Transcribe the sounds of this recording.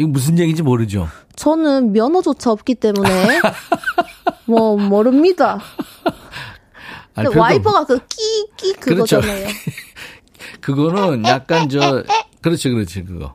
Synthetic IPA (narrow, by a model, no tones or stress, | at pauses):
iɡʌmus̬ʰɯnjeɡid͡ʑimoɾɯd͡ʑo̰t͡ɕʌnɯnmjʌnʌd͡ʑot͡ɕʰaʌp̚k͈it͈e̞mune̞ | mwʌmʌɾɯmɲida | aewaipʰʌɡak͈ɯk͈ik͈ʼikɯɯɾʌɡʌt͡ɕʰonajo | kɯɡʌnɯnjak̚k͈and͡ʑʌkɯɾʌt͡ɕʰokɯɾʌt͡ɕʰokɯɡʌ̰